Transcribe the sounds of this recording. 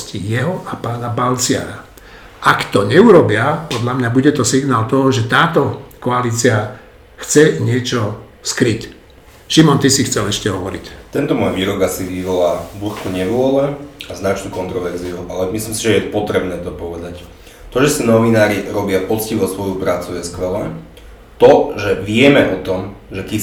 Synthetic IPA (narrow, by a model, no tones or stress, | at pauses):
scijɛɦɔʔapaːnabalt͡sɪa̰ɾa̰ | ʔakt̪ɔɲɛuɾɔbɪapɔd̪ʎamɲabuɟɛt̪ɔsiɡnaːlt̪ɔɦɔʒɛt̪aːt̪ɔkɔaliːt͡sia | xt͡sɛɲɪɛt͡ʃɔskɾic | ʃimɔnt̪isixt͡sɛlɛʃcɛɦɔʋɔɾḭct̪ɛnt̪ɔmɔjʋiːɾɔɡasiʋiʋɔlaːbl̩kɔɲɛʋʊɔlɛaznat͡ʃnukɔnt̪ɾɔʋɛɾziuʔalɛmislimsiʒɛjɛpɔt̪ɾɛbnɛːt̪ɔpɔʋɛd̪ac | t̪ɔʒɛsinɔʋinaːɾiɾɔbɪapɔt͡sciʋɔsʋɔjupɾaːt͡sujɛskʋɛlɛ | t̪ɔʒɛʋɪɛmɛʔɔt̪ɔmʒɛki